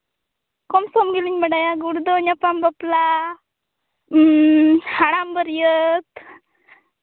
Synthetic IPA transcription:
komsomɡiliɲməɽajaɡuɽud̪oɲapambəpla | haɽambəɾjət̪

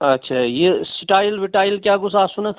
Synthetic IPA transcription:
ɐtːʃʰajesɪʈaːɪlʋɪʈaːɪlkʲjakʊsʰaːsʊnat̪

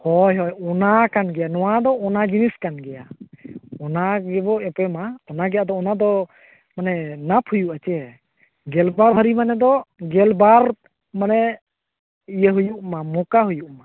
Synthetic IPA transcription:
hɔjɦɔjɔnakanɡɛjanɔwad̪ɔːnad͡ʒiniskanɡɛja | ɔnaɡɛbɔɛ̃pɛmaɔnaɡɛjad̪ɔːnad̪ɔ | manɛnapʰhujuʔat͡ʃɛ | ɡɛlbaɾɦaɾimanɛd̪ɔɡɛlbaɾ | manɛ | ijəɦujuʔmamɔkaɦujuʔma

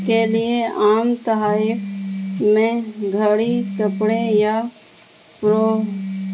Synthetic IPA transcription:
kelieaːmt̪əɦaːɪkmẽɡʱəɽikəpɽeja | pɾo

